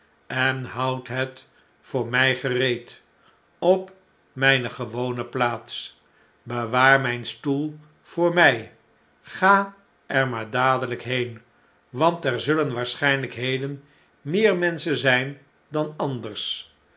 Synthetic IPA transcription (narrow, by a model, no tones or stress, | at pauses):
ɛnɦɑwtɦət | fʊːɹmɛjχərejt | ɔp | mɛjnəχəʋownəplaːts | bəʋaːɹmɛjnstulˠ | v̥ʊːɹmɛj | χaː | ʔɛɹmaːɹdaːdələkɦejn | ʋɑntɛɹzɵlənʋaːɹsχɛjnləkɦejdən | mɪːɹmɛnsənzɛjn | dɑnɑndəɹs